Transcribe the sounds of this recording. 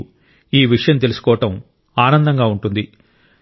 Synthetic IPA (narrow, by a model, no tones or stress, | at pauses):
iːʋiʂɐjɐmt̪e̞lusu̥kɔːʋɐʈɐm | aːnɐnd̪ɐŋɡaːuɳʈund̪i